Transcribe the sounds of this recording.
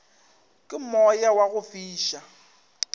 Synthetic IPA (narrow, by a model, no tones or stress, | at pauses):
kʼɪmɔjawaɣʊfiːʃa